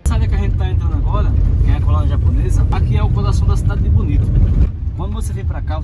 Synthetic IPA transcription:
sabɪɐkɪaʒẽnt̪ɪt̪aẽnt̪ɾɐ̃nd̪aɡɔɾɐkẽj̃ɐkolõnɐʒaponezɐakiɛʊkod̪asɐ̃w̃d̪ɐsi̥d̪ad̪ɪd̪ɪponid̪ʊ | kwɐ̃nd̪ʊvosevẽj̃pɾaka

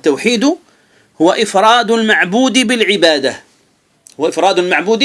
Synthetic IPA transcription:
t̪ːawħiːd̪ʊ | hʊwaʔɪfɾˤɑːd̪ʊlmaʕbuːd̪bɪlʕɪbaːd̪a | hʊwaʔɪfɾˤɑːd̪ʊlmaʕbuːd̪

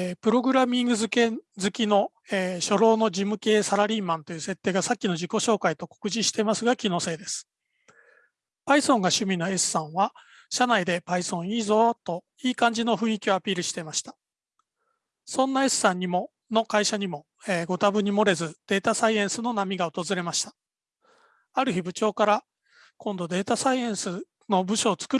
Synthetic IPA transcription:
pɯ̟ɾo̞ɡɯ̟ɾamʲĩŋɡɯ̟zɨkezɨkʲino̞ | eːɕo̞ɾo̞ːno̞d͡ʑimɯ̟ke̞ːsaɾaɾʲiːmãnt̪o̞jɯ̟se̞t̪ːe̞ːɡasakʲːino̞d͡ʑiko̞ɕo̞ːkait̪o̞ko̞̥kɯ̟ʑiɕi̥t̪e̞masɨɡakʲino̞se̞ːd̪e̞sɨ̥ | paisõ̞ŋɡaɕɨmʲino̞e̞sɨ̥sãɰ̃βa | ɕanaid̪e̞paisõ̞ɰ̃iːzo̞t̪o̞ | iːkãɲ̟d͡ʑino̞ɸɯ̟̃ɰ̃ikʲio̞apʲiːɾɯ̟ɕi̥t̪e̞maɕi̥t̪ḁ | sõ̞nːae̞sɨ̥ːãɲ̟ːimo̞ | no̞kaiɕaɲ̟imo̞ | ɡo̞t̪abɯ̟ɲ̟imo̞ɾe̞zɨd̪̥e̞ːt̪asaiẽ̞ɰ̃sɨno̞namʲiɡaot̪ozɨɾe̞maɕi̥t̪ḁ | aɾɯ̟çibɯ̟t͡ɕo̞ːkaɾa | kõ̞nd̪o̞d̪e̞ːt̪asaiẽ̞ɰ̃sɨ | no̞bɯ̟ɕo̞ːt͡sɨ̥kɯ̟

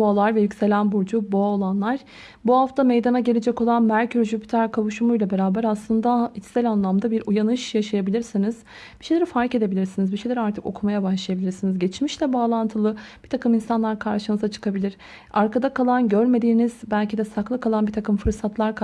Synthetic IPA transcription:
oalˠaɾvɛjycse̞lʲænbuɾd͡ʒuboaolˠanlˠaɾ̥ | buhaft̪ʰame̞jd̪anaɟe̞lʲe̞d͡ʒɛko̞lˠanmæɾcʰyɾʒypʰi̥t̪ʰæɾkʰavuʃumujlʲˠabe̞ɾaːbæɾaslˠɯnd̪ait͡ʃ̪sɛlʲanlˠamd̪abiɾujanɯʃjaʃajabilʲiɾsiniz̥ | b̥iʃejlʲeɾifaɾke̞d̪ebilʲiɾsinizbiʃejlʲeɾaɾt̪ʰɯko̞kʰumajabaʃlˠajabilʲiɾsinizɟet͡ʃmiʃlʲɛbaːlˠant̪ʰɯlˠɯb̥it̪ʰakɯminsanlˠaɾkʰaɾʃɯnɯzat͡ʃʰɯ̥kʰabilʲiɾ̥ | aɾkʰad̪akʰalˠanɟøɾme̞d̪iːnizbælʲcid̪ɛsaklˠɯkʰalˠanbit̪ʰakɯmfɯɾsat̪lˠaɾ

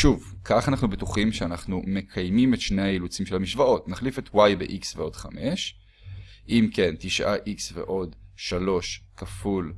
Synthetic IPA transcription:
ʃuvkʰaχanaχnubetuχimʃeanaχnume̞kʰajmimetʃnejajilut͡simʃe̞lhamiʃvao̞tnaχlifetwajbeʔiksveo̞d̥χame̞ʃ | ʔimke̞ntiʃʔaʔiksve̞̰ʔo̞dʃalo̞ʃkaful

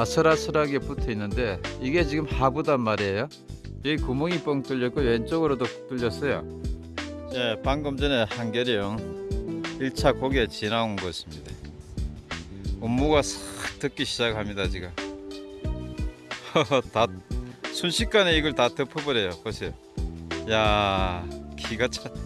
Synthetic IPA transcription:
asʰɯɾasʰɯɾaɡep͈utʰeinːɯnde̞iɡe̞t͡ɕiɡɯmhabudanmaɾejo | eikumoŋip͈ʌŋt͈ɯʎːʌt̚k͈ojwent͡ɕ͈oɡɯɾodot͈ɯʎːʌs͈ʌjo̰ | je̞paŋɡʌmd͡ʑʌne̞hanɡjʌɾijoŋ | iɭt͡ɕʰakoɡiet͡ɕinaunɡʌsʰɯmɲida | umːuɡasʰʌt͈ɯk͈iɕʰid͡ʑaɡɯɭamɲidat͡ɕiɡɯ | tasʰunɕʰik̚k͈aneiɡʌɭtatɯpʰobʌɾe̞jokʌsʰe̞jo | ja | kʰiɡat͡ɕʰa

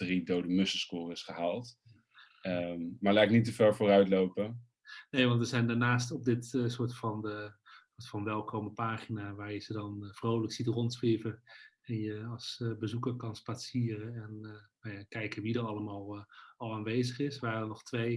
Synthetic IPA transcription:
dridowdəmɵsəskʊːrɪsχəɦaːlˠt | əmaːɹlaɪknitəvɛɹvʊːrœɥtlowpə | nejʋɑntʋəzɛjndaːɹnaːstɔb̚dɪtsʊːɹtfɑndəsotfɑnʋɛlˠkowməpaːχinaʋaːɹjəzədɑnfrowləksitrɔntsʋevə | ɛnjəɑsbəzukəɹkɑnspaːsiːrəɛnnajakɛjkənʋidərɑlˠəmaːlˠɑlˠaːnʋejzəχɪsʋaːdənɔχtʋej

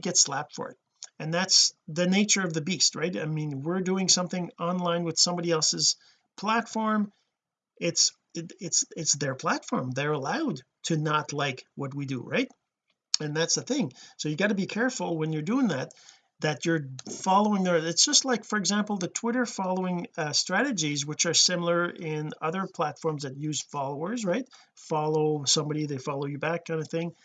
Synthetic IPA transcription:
ɡɛtslæp̚tfə̰˞ɨ̰t̚ | ɨ̃nðætsðɨneɪt͡ʃə˞ʌvðɨbist̚ɹaɪta̰ɪmĩnwɪɹdʉɪ̃ŋsʌ̃mθɪ̃ŋɑ̃nlãɪ̃nwɨð̥sʌ̃mbɑɾiɛlˠsɨz̥ | pʰl̥ætfɔɹm | ɪts | ɪɪtsɪtsðə˞pʰl̥ætfɔɹmðə˞əlaʊd̚tʰɨnətˡlaɪkwʌt̚widɨ̰ɹaɪt̚ | ɨ̃nðætsðɨθɪ̃ŋsoʊjɨɡɑɾɨbikʰɛɹfl̩ˠwə̃njə˞dʉɪ̃ŋðæt̪̚ | ðɨt͡ʃə˞fɑlˠoʊɪ̃ŋðə˞ɨtsd̥ʒ̥ʌstˡlaɪkfə˞ɨɡzæ̃mpl̩ˠðɨtʰw̥ɪɾə˞fɑlˠoʊɪ̃ŋstɹ̥æɾɨd͡ʒizwɨt͡ʃə˞sɪ̃ml̩ˠə˞ʔɪ̃nʌðə˞pʰl̥ætfɔɹmzðɨt̚jʉz̥fɑlˠoʊə˞zɹaɪt̚ | fɑlˠoʊsʌ̃mbɑɾiðeɪfɑlˠoʊjɨbækʰːãɪ̃ndəvθɪ̃ŋ

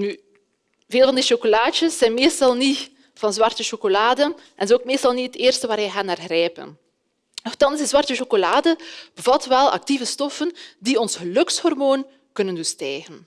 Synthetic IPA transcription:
ny | veːlˠvɑndiʃokolaːt͡ʃəsːɛnmeːstɑlˠni | v̥ɑnzwɑrtəʃokolaːdə | ʔɛnzɛoːkmeːstɑlˠnitəteːrstəʋaːɾɛjɣaːnaːrɣrɛːpə̰n | nɔxtɑnsdəzwɑrtəʃokolaːdəb̥əvɑtʋɛlˠɑ̰k̚tivəstɔfəndiɔnsɣəlɵkshɔrmoːn | kɵnəndɵstɛjɣən

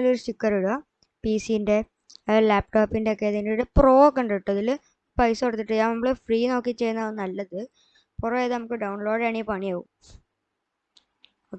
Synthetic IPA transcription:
loɾusikːɐɾiɽo | piːsijinde̞ | laːp̚ʈoːpːindeokːejt̪ɐŋɡiluɽɨpro̞ːkːɐɳɖiʈːɐðil | pɐjsɨoɽɐt̪ːiʈːɨjaːnɐmːuɭefriːno̞ːkːit͡ɕːe̞jnːɐðɨnɐlːɐðɨ | purɐeːðɨnɐmukːɨɖɐwɳlo̞ːɽɐɳipɐɳijaːʋum | oːkː

